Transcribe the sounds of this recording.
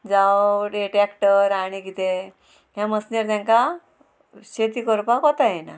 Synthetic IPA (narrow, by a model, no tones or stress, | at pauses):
d͡zawɖeʈɾɛkʈəɾaɽ̃iɡit̪e | ɦjãməsneɾt̪jãŋka | ɕet̪ikɔɾpakɔt̪ajɛna̰